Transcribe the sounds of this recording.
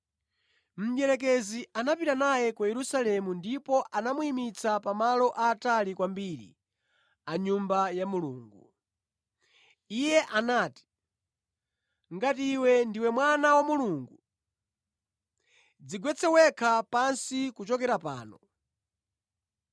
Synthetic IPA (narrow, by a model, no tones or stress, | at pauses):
m̩jɛɾɛk̬ɛziʔanapitanajɛkwajɛɾusalɛmundipɔʔanamuimit͡sʰapamalɔʔaːtalikwambiɾḭ | aɲumbajamuluːŋɡu | ijɛʔanaːti̥ | ŋɡatiiwɛndiwɛmwanawamuluːŋɡu | d͡ziɡwɛt͡sʰɛwɛkʰapansikut͡ʃɔkɛɾapa̰ːnɔ